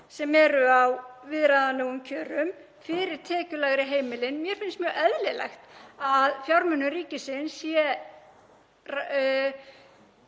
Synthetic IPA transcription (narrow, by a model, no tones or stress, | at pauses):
sɛmɛɾʏawvɪðɾaðanewʏmcʰœːɾʏm | fɪɾɪɾ̥t̪ʰɛːcʏlaɣɾɪɦeːjmɪlɪnmjɛɾ̥fɪnsmjœːɣɛðlɪlɛ̰xt̪aðfjawɾmʏnːʏɾiːcɪsɪnsjɛ | r